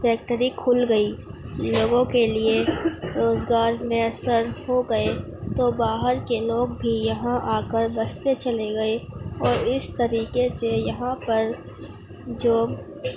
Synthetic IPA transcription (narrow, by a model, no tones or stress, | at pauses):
fɛːk̚ʈəɾikʰʊlɡəiloːɡõkelieɾoːzɡaːɾmẽɐsəɾhoɡəe | t̪obaːɦəɾkeloːɡbʱijɐɦãʔaːkəɾbəst̪et͡ʃɐleɡɐeɔːɾɪst̪əɾiːkesejɐɦãpɐɾ | d͡ʒoː